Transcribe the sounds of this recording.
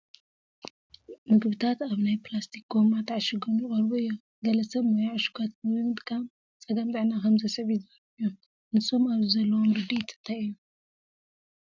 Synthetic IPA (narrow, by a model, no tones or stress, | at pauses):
mɨɡbɨt̪ʰat̪aβnajplast̪ʰik̚ɡo̞mat̪ʰaʕʃɪɡomjɪkʼɐɾbuɨjːo | ɡɐlɐsɐβnajaaʃu̥ɡʰat̪̚mɨɨɨmɨt̪kʰam | t͡sʼɐɡɐmzɨʕnakʰɐmzɐsʕβɪzɨɐɾɨjːo | nɨso̞maβzizɐlːɐwomɾɨd̪it̪ʰɨ̥t̪ʰaɨjːu